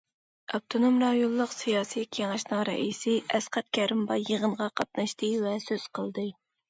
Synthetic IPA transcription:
ɑp̚t̪ʰonomɾɑjolˠːʊqsijɑːsijkʲʰeŋɑʃnɨŋɾɛ̰ʔisɪʔɛsqæt̪̚kʲʰɛɾɪmbɑjəʁənʁɑqʰɑt̪̚nɑʃt̪ɨvɛsøz̥qʰəlˠd̪ɨ

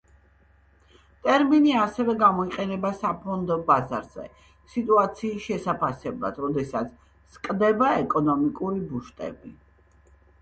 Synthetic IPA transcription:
t̪ʼɛɾminiasɛvɛɡamɔiqʼɛnɛbasapʰɔnd̪ɔbaza̰ɾz̥ɛ̰ | sit̪ʼuat̪sʰiːsʃɛsapʰasɛblˠa̰d̪̥ɾɔd̪ɛsat̪sʰ | skʼd̪ɛbaɛkʼɔnɔmikʼuɾibuʃt̪ʼɛ̰bi

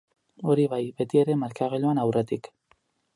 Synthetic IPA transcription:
o̞ɾiβajbe̞t̪ie̞ɾe̞maɾkaɣ̞eʎoanawre̞t̪ik

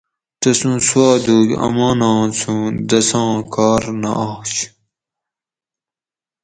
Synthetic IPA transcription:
t̪ɐsũswaːd̪uːkɐ̰mãːnɑ̃ːt͡sʰũːd̪ɐsãːkaːɾnɐ̰ʔaːɕ

